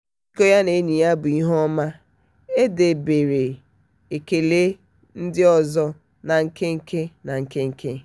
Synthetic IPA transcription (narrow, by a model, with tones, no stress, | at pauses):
i˦ko˦ja˦ne˨˦ni˨ja˦bʊ˨i˦ɦɔ˦ma˦ | e˦de˨be˨ɾe˨ | e˨ke˨le˦ | n̩˦dɪ˦ɔ˦zɔ˦ | na˨ŋ̩˦˨ke˦ŋ̩˦ke˦na˨ŋ̩˨ke˦ŋ̩˦kʰe˦